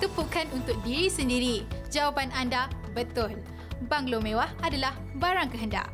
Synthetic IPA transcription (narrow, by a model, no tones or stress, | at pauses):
t̪əpukanunt̪ʊk̚diɾisəndiɾid͡ʒawapananda | bət̪ʊl | baŋlomẽwahadalah | baɾaŋkəɦənda̰ʔ